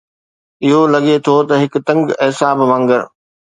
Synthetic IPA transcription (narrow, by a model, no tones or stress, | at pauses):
ɪɦolɐɠet̪ʰot̪ɐɦɪkt̪ɐ̃ŋɡɛːsaːbʋãːŋɡəɾ